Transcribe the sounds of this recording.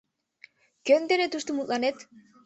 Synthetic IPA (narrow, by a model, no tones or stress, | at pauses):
kønd̪enet̪ust̪umut̪lanet̪